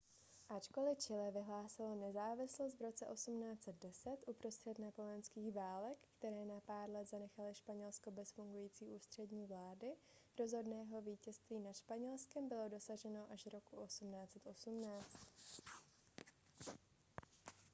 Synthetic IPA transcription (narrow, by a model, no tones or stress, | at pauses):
ʔat͡ʃko̞lɪt͡ʃɪlɛvɪɦlaːsɪlonɛzaːvɪslos̬t̪vɾo̞t͡sɛʔo̞sumnaːt͡sɛt̪̚dɛsɛt̪ʔupɾo̞st̪r̥ɛt̪napolɛnskiːɣvaːlɛkːt̪ɛɾɛːnapaːɾlɛd̪zanɛxalɪʃpaɲɛlsko̞bɛsfuŋɡujiːt͡siːʔuːst̪r̝̥ɛdɲiːvlaːdɪ | ɾo̞zɦo̞dnɛːɦo̞viːcɛst̪viːnat̪ʃpaɲɛlskɛmbɪlo̞do̞saʒɛno̞ʔaʒɾo̞kuʔo̞sumnaːt͡sɛt̪ʔo̞sumnaːt͡st̪